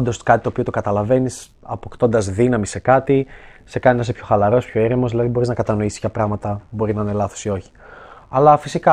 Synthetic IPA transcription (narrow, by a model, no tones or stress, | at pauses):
d̪o̞skɐt̪it̪o̞pio̞t̪o̞kɐt̪ɐlɐve̞nis | ɐpokt̪o̞nd̪ɐzðinɐmise̞kɐt̪i | se̞kɐninɐs̬epçoxɐlɐɾo̞spço̞eɾimo̞zðilɐðibo̞ɾiznɐkɐt̪ɐno̞issçɐpɾɐɣmɐt̪ɐbo̞ɾiznɐnelɐθosio̞çi̥ɐlɐfisikɐ